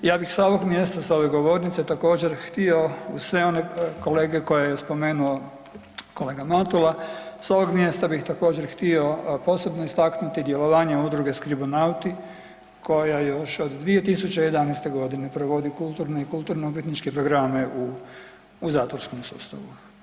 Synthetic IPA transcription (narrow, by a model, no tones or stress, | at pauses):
jaːbixsao̞ʋo̞ɡmje̞st̪asao̞ʋe̞ɡo̞ʋo̞ɾnit̪set̪ako̞ːd͡ʑe̞ɾxt̪io̞usʋe̞o̞neko̞le̞ːɡeko̞jajespo̞me̞ːnuo | ko̞le̞ːɡamat̪ulaso̞ʋo̞ɡmje̞st̪abixt̪ako̞ːd͡ʑe̞ɾxt̪io̞po̞ːse̞bnoist̪aknut̪id̪je̞lo̞ʋaːɲeud̪ɾuɡe̞skɾibonawt̪i | ko̞jajo̞ʃo̞d̪d̪ʋie̞t̪isut͡ɕeje̞d̪anɛjst̪e̞ɡo̞d̪ine̞pɾoʋo̞d̪ikulˠt̪uɾneikulˠt̪uɾneupjit̪nit͡ʃkepɾo̞ɡɾame̞ʔuː | zaːt̪ʋo̞ɾsko̞msṵːst̪a̰ʋu